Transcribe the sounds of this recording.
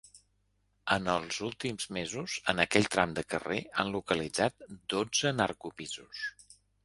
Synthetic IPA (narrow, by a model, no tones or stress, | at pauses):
ənəlˠzulˠt̪imzmezuzənəkɛʎt̪ɾamd̪əkəreanlukəlid͡zat̪̚d̪od͡zəna̰rkupizus